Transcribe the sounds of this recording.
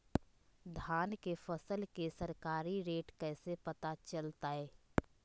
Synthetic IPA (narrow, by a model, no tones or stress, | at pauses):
d̪ʱaːnkefɐsəlkesɐɾkaːɾiɾeːʈkɛːsepɐt̪at͡ʃɐlt̪aɦɛː